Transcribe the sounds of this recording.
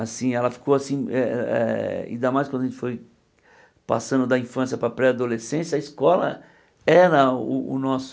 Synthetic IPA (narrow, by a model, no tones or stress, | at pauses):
asĩɛlɐfi̥kowasĩɛɛ̰ḭ̃d̪amajskwɐ̃d̪ɐʒẽt͡ʃɪ̥foj | pa̰sɐ̃nd̪ʊd̪ɐĩfɐ̃sijɐpɾɐpɾɛad̪olesẽsɐiskɔlɐ̰ | ɛɾɐʊʊ̰nɔs